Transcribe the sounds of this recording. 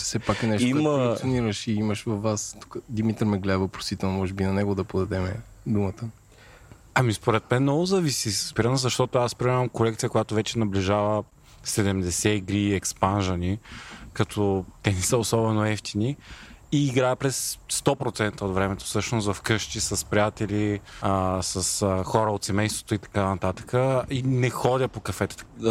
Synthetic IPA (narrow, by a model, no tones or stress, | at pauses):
sɛpaknɛʃiməoniɾəʃiiməʃvɐfvast̪u̥kəd̪imit̪ɾmɛɡlɛd̪vəopɾo̥sit̪ɛlˠnomɔʒɛbinɐnɛɡod̪ɐpod̪ɐd̪ɛmɛ̰d̪umət̪ə | ɐmispoɾɛt̪mɛnnɔɡʊzɐvisisəzbiɾənzɐʃt̪ɔt̪oaspɾimɛɐmkolɛkt̪sijəkojat̪ovɛt͡ʃɛnɐbliʒavə | sɛd̪ɛmd̪ɛsɛiɡɾiɛkspanʒɐnikɐt̪ʰɔt̪ɛnɛsəosɔbɛnoɛft̪iniiːɡɾaɛpɾɛsːt̪ɔpɾot̪sɛnt̪əot̪vɾɛmɛt̪o̥sɤʃnosvɐfkɤʃt̪isɐspɾijat̪ɛli | sɐsxɔɾəot̪sɛmɛjst̪vo̥t̪oit̪ɐ̥kanɐt̪at̪ə̥kəinɛxɔd̪ʲəpokɐfɛt̪ɛ̥t̪